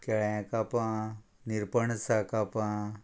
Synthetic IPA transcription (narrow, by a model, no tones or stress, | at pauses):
keɭẽkapãː | niɾpəɳsakapã